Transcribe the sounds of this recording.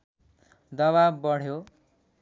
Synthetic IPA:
d̪ʌβabbʌɽ̤jo

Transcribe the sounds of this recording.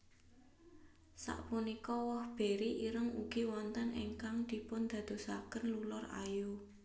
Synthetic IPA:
sa̰ʔpunikɔwɔhb̥e̤ɾiʔiɾəŋuɡ̥iwɔnt̪ənḛŋkaŋd̪̥i̤pʊnd̪̥ä̤d̪̥o̤sakənlulɔra̰ju

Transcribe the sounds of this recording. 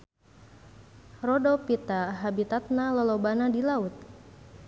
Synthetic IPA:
rɔdopit̪aɦabit̪at̪̚nalɔlɔbanadilaut̪̚

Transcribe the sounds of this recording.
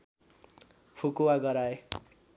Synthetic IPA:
pʰukuwaɡʌɾae

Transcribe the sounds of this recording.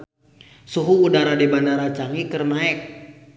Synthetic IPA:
suɦuːdaɾadibandaɾat͡ʃaŋikərnaɛk̚

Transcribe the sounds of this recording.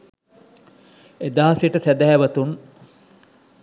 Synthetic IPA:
ed̪aɦasiʈəsæd̪æɦɛʋɐt̪un

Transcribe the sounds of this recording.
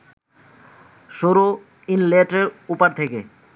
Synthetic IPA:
ʃoɾo | inleʈeɾupaɾt̪ʰeke

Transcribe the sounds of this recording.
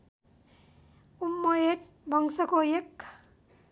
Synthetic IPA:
umːʌjeʈ | bʱʌŋsʌkojekː

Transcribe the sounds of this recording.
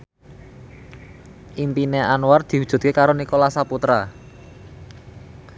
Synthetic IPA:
ʔimpineanward̪̥i̤ɦu̥d̥ʒ̥ṳt̪̚kekaɾonikolasaput̪ɾa

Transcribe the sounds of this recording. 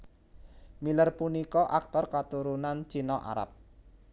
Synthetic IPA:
milərpunikɔʔak̚t̪ɔrkat̪uɾunant͡ʃinɔʔa̰ɾa̰p̚

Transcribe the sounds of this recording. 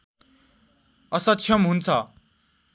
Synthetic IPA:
ʌsʌt͡sʰjʌmɦunt͡sʰʌ

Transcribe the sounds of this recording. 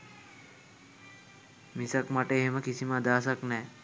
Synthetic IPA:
misakmaʈəeɦeməkisiməad̪aːs̬aknɛː

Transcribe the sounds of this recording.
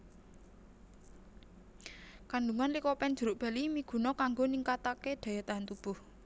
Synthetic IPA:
kanɖuŋanlikɔpɛnd̥ʒ̥ṳɾʊʔb̥a̤limiɡ̥ṳnɔkaŋɡoniŋkat̪akeɖ̪̥ä̤jat̪aɦant̪ub̥ʊ̤h

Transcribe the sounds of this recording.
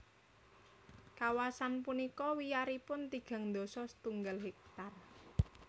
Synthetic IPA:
kawasanpunikɔwijaɾipʊnt̪iɡ̥ä̤ŋnd̪osɔsə̥t̪uŋɡalɦɛk̚t̪ar

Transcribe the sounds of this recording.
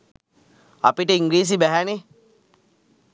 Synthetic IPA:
apiʈəiŋɡɾiːs̬ibæɦæne

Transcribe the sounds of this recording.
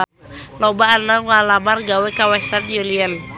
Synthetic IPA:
lɔbaanaŋalamarɡawekawɛsanjuliən

